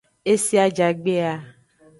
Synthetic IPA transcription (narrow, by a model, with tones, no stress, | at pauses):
e˦si˦a˦d͡ʒa˨ɡ͡be˦a˦